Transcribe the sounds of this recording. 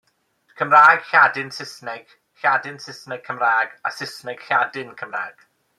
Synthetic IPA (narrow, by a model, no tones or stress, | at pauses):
kʰəmraːɡ̥ɬadɪnsɪsnɛɡ̥ | ɬadɪnsɪsnɛɡ̚kʰəmraːɡa̰sɪsnɛɡ̥ɬadɪnkʰəmra̰ːɡ̥